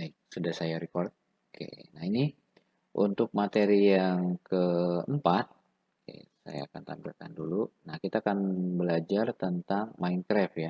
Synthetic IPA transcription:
baik̚sudahsajaɾikɔrt̪̚ | kʰḛnaini | ʔunt̪ʊk̚mat̪eɾijaŋkəəmpat̪̚ | kḛsa̰ja̰ːkant̪a̰mbḭlka̰ndulunahkit̪aːkanbəlad͡ʒart̪ənt̪aŋmainkɾɛfja

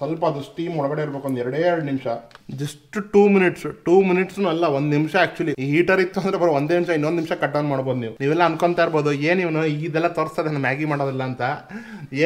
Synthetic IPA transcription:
sɐlpɐːd̪usʈiːmɔɭɐɡɐɽeiɾbekuʋond̪ɛɾɐɽeːɐɾɐɖnimʂɐd͡ʒɐsʈʈuːminiʈsʈuːminiʈsnuɐlːɐʋond̪nimʂɐaːk̚t͡ʃuɐliɦiːʈɐɾit̪ːuɐnd̪ɾebɐɾeʋond̪eːnimʂɐinːond̪nimʂɐkɐʈːɐʋnmaːɽboːd̪uniːʋuniːʋɛlːɐːnkoɳt̪aːiɾbo̞ːd̪ueːnːiːʋɐnuiɡid̪ɛlːɐt̪oːɾst̪aːd̪enːaːmjaːɡimaːɽoːd̪ilːɐːnt̪ɐeː

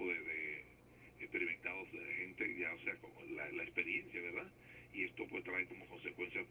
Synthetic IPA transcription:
oðeðe | ekspe̞ɾimẽ̞nt̪aðozðelaxent̪eʝaoseakomola̰laekspe̞ɾje̞nsjaβe̞ɾða | iest̪o̞pweðet̪ɾaeɾko̞mo̞ko̞nsekwe̞nsja

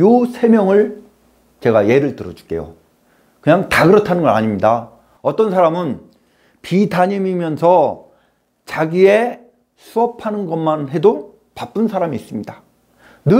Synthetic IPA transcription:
josʰe̞mjʌŋɯɭ | t͡ɕe̞ɡaje̞ɾɯɭtɯɾʌd͡ʑu̥k͈e̞̰jo̰ | kɯɲaŋtaɡɯɾʌtʰanɯnɡʌɾa̰ɲimɲida | ʌt͈ʌnsʰaɾamɯn | pidaɲimimjʌnsʰʌ | t͡ɕaɡie | sʰuʌpʰanɯnɡʌmanɦe̞do | pap͈ɯnsʰaɾamiːs͈ɯmɲida | nɯ

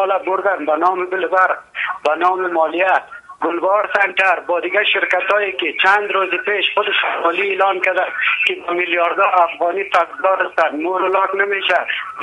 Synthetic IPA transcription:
ɔlabʊɾd̪anbɐnɔːmebɪlbaɾbɐnɔːmemɔːlijat̪̚ɡʊlbɔːɾsaɳʈaɾbɔːd̪ɪɡaʃɪɾkat̪ɔːekit͡ʃand̪ɾozepeːʃχʊd̪ɪʃamɔːlielɔːnkad̪ankibɐmɪljɔɾd̪ɔːɾafɣɔːnit̪akzɔːɾast̪anmoɾolɔːknameːʃa

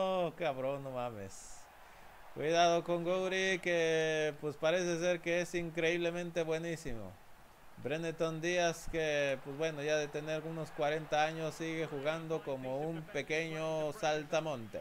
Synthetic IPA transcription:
okaβɾonomamḛs | kwiðaðokoŋɡowɾikepwespaɾeses̬eɾkeesiŋkɾeiβlemẽnt̪eβwenisimo̰ | bɾenet̪ond̪iaskepwesbwenoʝaðet̪eneɾunoskwaɾent̪aaɲosːiɣexuɣand̪okomoumpekeɲosalt̪amõnt̪ḛ

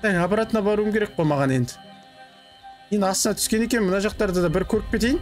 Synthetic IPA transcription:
æjɑpɑɾat̪ənɑbɑɾuəmkʲe̞ɾe̞k̚bojmɑʁɑne̞nd̪ɪ̥ | mend̪ɪɑst̪ənɑt̪ʰʏ̥skʲe̞ne̞kʲe̞mənɑʒɑq̚t̪ɑɾd̪əd̪ɑbɪɾkʲʰɵɾɪk̚pʲe̞t̪e̞jn

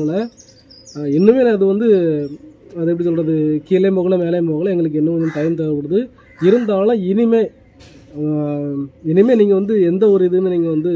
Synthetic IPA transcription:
lɐ | ɪnːɯmeːlɐðɯʋɐnd̪ɯ | ɐðɯɛpːɽɪs̬ɔlrɐðɯkiːlɐmoːɣɐlɐmeːlɐjmoːɣɐɭɐɛŋɡɐɭɯkːɛnːɯmnːɯmt̪ɐjɐnt̪ɐɾɯkɔɽɯðɯ | ɪɾɯnd̪aːlɐ̃ɪnɪmeː | ɪnɪmeːniːŋɡɐʋɐnd̪ɯɛnd̪ɐɔɾɯɪðɯmeːniːŋɡɐʋɐnd̪ɯ

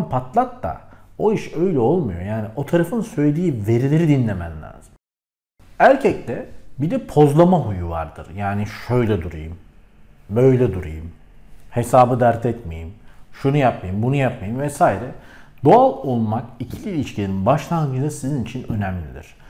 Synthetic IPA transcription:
pʰat̪lˠak̚t̪a̰o̞iʃø̞jlʲɛo̞lˠmujo̞jaːniʔo̞t̪ʰaɾafɯnsø̞jd̪iːve̞ɾilʲeɾid̪inlʲemænlʲa̰ːz̥ɯm | æɾcʰɛc̚t̪ʰɛbid̪ɛpʰo̞zlˠamaɦujuva̰ɾd̪ɯ̰ɾjaːniʃø̞jlʲɛd̪uɾa̰jɯm | bø̞jlʲɛd̪uɾajɯm | he̞saːbɯd̪æɾt̪ʰɛt̪me̞̰jimʃunujapmajimbunujap̚majimvɛsaːjiɾɛd̪̥o̞alˠo̞lˠmakicʰilʲiːlʲiʃcʰilʲeninbaʃlˠanɡɯd̪ˠasizinit͡ʃʰinø̞næmlʲḭd̪ḭɾ̝̥

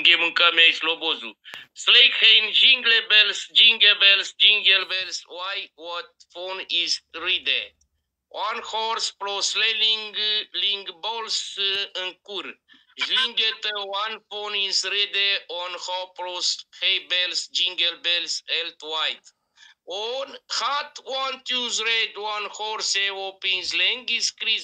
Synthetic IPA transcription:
ŋɡemɨŋkameislobozṵslejkʰeind͡ʒiŋɡlebelsd͡ʒĩŋɡebelsd͡ʒĩŋɡelbelswajwɔt̪̚fonizɾid̪e | ʔanhɔɾspɾosleliŋɡliŋɡbolsɨnkuɾ | zlĩŋɡet̪əwanfonizɾid̪eʔɔnhɔpɾoshejbɛlsd͡ʒĩŋɡəlbɛlsɛlt̪wajd̪ | ɔnhat̪want̪juzɾed̪wãnhɔɾseopĩŋzlɛ̃ŋɡiskɾi

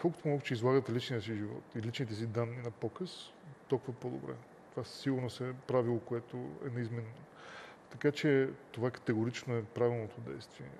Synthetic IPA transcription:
kɔlˠkot̪omɔɡut͡ʃɛizlˠaɡət̪ɛlit͡ʃnijəsiʒivɔ̰t̪ilit͡ʃnit̪ɛs̬id̪anːinɐpɔkəs | t̪olˠkuvɐpɔd̪o̰bɾɛ̰ | t̪ovasiɡʊɾnosɛpɾavilˠokoɛt̪o̰ɛ̰nɐizmɛnːo | t̪ɐkat͡ʃɛt̪ovakə̥t̪ɛɡoɾit͡ʃnoɛpɾavilˠnot̪od̪ɛ̰jst̪viɛ̰

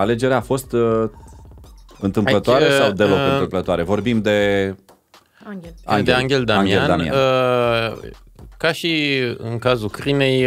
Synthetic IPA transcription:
ale̞d͡ʒe̞ɾeafo̞st̪ | ɨnt̪ɨmplət̪oaɾesawd̪e̞lo̞kɨnɨmplət̪oaɾe̞vo̞rbimd̪e̞ | a̰ɡʲeaŋɡʲeld̪aaŋɡealnd̪ania | kaʃiɨ̰ŋkazukɾine̞j

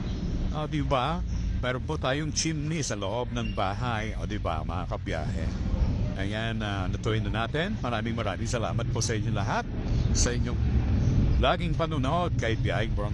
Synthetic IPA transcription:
ʔoːd̪ɪbɐmɛːɾonpot̪aːjoŋt͡ʃimnisɐloʔo̞b̚nɐŋbaːɦajʔoːd̪ɪbɐ̰mɐ̰ʔakɐbja̰ːhɛ̰ʔɐjanɐnɐt̪oɪnɐnaːt̪ɛnmɐɾaːmɪŋmɐɾa̰ːmɪŋsɐla̰ːmɐt̪̚posɐʔɪɲːolɐɦat̪̚sɐʔɪɲːoŋ | laːɡɪŋpɐnʊnood̪̚kɐjbja̰hɪbo

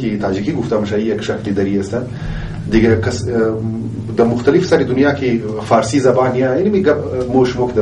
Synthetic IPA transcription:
kit̪ʰaːd͡ʒikiɡuft̪ɐmɐʃɐijɐkʃɐklid̪ɐɾiɐst̪ɐ | d̪iɡɐkɐs | d̪ɐmʊxt̪ɐlifsɐɾid̪unjaːkʰi | faːɾsizɐbaːnijainimiɡɐmoːʃmokd̪ɐ

